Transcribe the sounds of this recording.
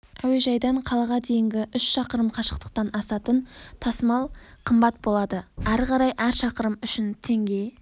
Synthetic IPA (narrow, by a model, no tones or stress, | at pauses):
æwijʒɑjd̪ɑɴqʰɑlˠɑʁɑd̪e̞jɪŋɡʲɪʔʏʃʃɑqəɾəmqʰɑʃə̥q̚t̪ə̥q̚t̪ɑnɑsɑt̪ənt̪ʰɑsəmɑlˠqʰəmbɑt̪̚bo̞lˠɑd̪əæɾqɑɾɑjʔæɾʃɑqəɾəmʏʃɪnt̪ʰe̞ŋɡʲe̞